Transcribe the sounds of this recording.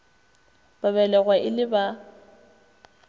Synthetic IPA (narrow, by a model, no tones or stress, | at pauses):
b̥aβɛlɛɣwaʔɪlɪba